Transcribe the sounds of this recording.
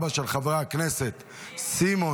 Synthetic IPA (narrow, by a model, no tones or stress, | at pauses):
baʃelχavʁaknese̞t̪ | simo̞